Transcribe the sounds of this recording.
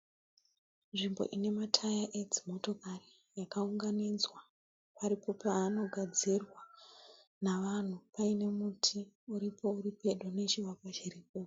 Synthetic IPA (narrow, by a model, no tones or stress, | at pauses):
nʐimbo̞̰ʔine̞matʰajaʔed͡zimo̞to̞kari | jakauŋɡanid͡zwa | paɾipo̞paːno̞ɡʱad͡zirwa | naʋan̤upaine̞mutʰiuɾipo̞uɾipe̞ɗone̞t͡ʃiwakwat͡ʃiriːpo